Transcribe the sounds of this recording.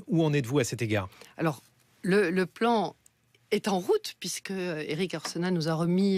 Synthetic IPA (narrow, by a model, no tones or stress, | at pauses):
uɑ̃nɛt̪vuasɛt̪eɡaːʁa̰lɔʁ | lələplɑ̃ | ɛt̪ɑ̃ʁut̪pɥiskəḛʁikaʁsənanuzaʁəmi